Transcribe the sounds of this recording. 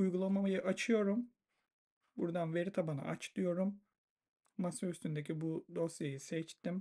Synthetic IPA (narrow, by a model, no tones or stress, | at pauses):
ujɡulˠamamajɯʔat͡ʃʰɯjo̞ɾum | buɾd̪anve̞ɾit̪ʰabana̰ʔa̰t͡ʃt̪ɯjo̞ɾumː | asayst̪ʰynd̪ecʰibud̪o̞sjajisɛt͡ʃt̪im